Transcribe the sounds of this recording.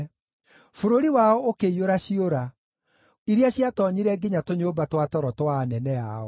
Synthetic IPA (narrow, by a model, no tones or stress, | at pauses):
foɾoɾiwaɔokeioɾaɕioɾa | iɾiaɕjatɔɲiɾɛɡeɲatoɲoːbatwatɔɾɔtwaːnɛnɛa̰ɔ̰